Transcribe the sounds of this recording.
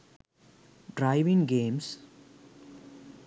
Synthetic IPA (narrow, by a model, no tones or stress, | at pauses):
ɖɾajʋiŋɡeːms